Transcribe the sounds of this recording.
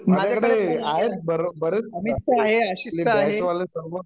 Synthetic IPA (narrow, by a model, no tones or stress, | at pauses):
məd͡ʑakəɽeaɦet̪̚bəɾbəɾet͡səmiaɦeəɕileaasʋalesəɾʋə